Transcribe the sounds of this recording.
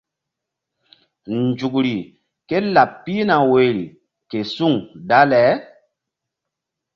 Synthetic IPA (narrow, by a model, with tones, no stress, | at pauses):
nd͡ʒu˨k̬ɾi˨ | ke˦la˨pːi˦na˨we˨ɾi˨ | ke˨su˦˨ŋda˦lɛ˨˦